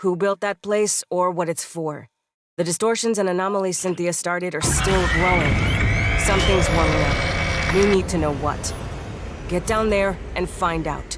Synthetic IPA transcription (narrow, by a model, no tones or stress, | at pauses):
hubɪlˠt̪̚ðɨt̚pʰl̥eɪsə˞wʌɾɨtsfə˞ | ðɨdɨstɔɹʃɨ̃nzɨ̃nɨnɑml̩ˠisɪ̃nθiɨstɑɹɾɨɾə˞stɪlˠɡɹoʊɪ̃ŋsʌ̃mθɪ̃ŋzwə̃˞mɪ̃ŋʌp̚winid̚tʰɨnoʊwʌ̰t | ɡ̥ɛt̚d̥ãʊ̃nðə˞ | ʔɨ̃nfãɪ̃ndaʊt